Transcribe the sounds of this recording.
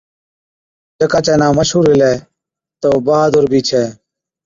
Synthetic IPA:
d͡ʒəkaːt͡ʃɛːnãːməʃɦuːɾɪlɛː | t̪oːbaːd̪ʊɾbʱiːt͡ʃʰɛː

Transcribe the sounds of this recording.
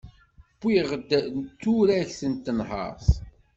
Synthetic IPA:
b̥ːiʁəd̪t͡s̪ːuɾæçsənt̪ːənɦə̰ɾˤθ

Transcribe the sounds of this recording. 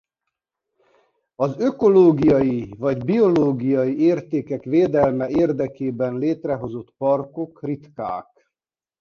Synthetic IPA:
ɒzøko̞loːɡijɒjivɒɟbio̞loːɡijɒjieːrt̪eːkɛkʋeːd̪ɛlmɛeːrd̪ɛkeːbɛnleːt̪rɛɦo̞zo̞t̪pɒrko̞krit̪ka̰ːk

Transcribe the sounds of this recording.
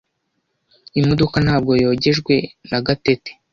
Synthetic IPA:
imodokan̥haːb̚ɡo̞jo̞ːɟeʒɡwe̞naɡatete̥

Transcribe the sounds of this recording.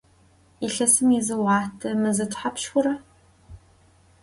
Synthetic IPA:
iɬɐsɨmizɨwɑːtʰɐmɨzɐtʰʷʼħapʃxʷʊɾɐ

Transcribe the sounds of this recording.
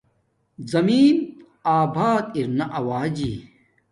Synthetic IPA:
zɐmiːn | aːbʱaːt̪iɾnɐʔɐwaːd͡ʑiː

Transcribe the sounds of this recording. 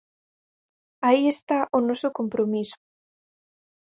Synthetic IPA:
aiest̪aʔʊnɔsʊkompɾomisʊ̥

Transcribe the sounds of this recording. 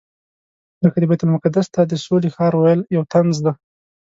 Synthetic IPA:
zəkad̪əbajt̪ʊlmʊkad̪ast̪ad̪əsolexɑɾwajəljawt̪ʰanzd̪a

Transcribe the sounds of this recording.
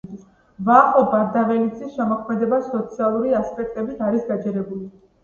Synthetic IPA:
vaχɔbaɾd̪avɛlid̪sʰʼisʃɛmɔkʰmɛd̪ɛbasɔt̪sʰialˠuɾiaspʼɛk̚ʰt̪ʼɛbit̪ʰaɾisɡ̪ad͡ʒɛɾɛbuli

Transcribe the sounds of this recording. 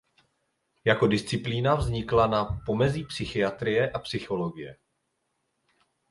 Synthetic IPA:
jako̞dɪst͡sɪpliːnavzɲɪklanapo̞mɛziːpsɪxɪjat̪ɾɪjɛʔapsɪxo̞lo̞ɡɪjɛ

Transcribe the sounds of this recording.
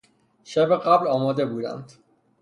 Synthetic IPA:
ʃæbeɢæblɒːmɒːd̪e̞buːd̪æ̰nd̪̥

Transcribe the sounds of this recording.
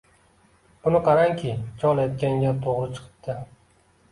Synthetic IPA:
b̥ʊnɪqʰɑɾaŋkʲʰɪt͡ʃʰɒlˠajt̪̚kʲaŋɡʲat̪ʰoʁɾɨt͡ʃʰɨ̥qʰɨ̥p̚t̪ʰɪ

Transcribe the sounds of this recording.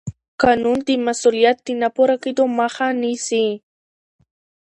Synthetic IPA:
kanʊnt̪imasoljat̪ːinapoɾakɪd̪omaχanisi

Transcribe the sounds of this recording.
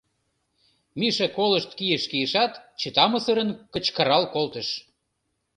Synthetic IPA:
miʃekoləʃt̪kijəʃkijəʃɑt̪t͡ɕət̪ɑməsəɾənkə̆t͡ɕkəɾɑlkolt̪ə̆ʃ

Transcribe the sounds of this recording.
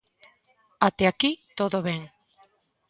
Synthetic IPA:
at̪eakit̪oðoβeŋ

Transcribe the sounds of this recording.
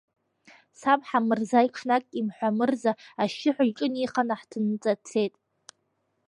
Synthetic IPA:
sapʼħamɨrzaiʈ͡ʂʰnakʼimħʷamɨrzaaʃɪħʷʊʎʈ͡ʂʼɨniχanaħtʰɨnt͡sʼat͡sʰejtʼ

